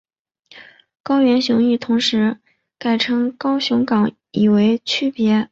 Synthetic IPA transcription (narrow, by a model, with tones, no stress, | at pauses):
kɑ˥ʊɥɛ˧˥nɕjʊ˧˥ŋy˥˩t̪ʰʊ˧˥ŋʂɻ̩˧˥ | ka˥˩ɪʈ͡ʂʰɤ˥ŋkɑ˥ʊɕʊ˧˥ŋkɑ˨˥ŋ | i˨˩we˧˥ɪt͡ɕʰy˥˩pjɛ˧˥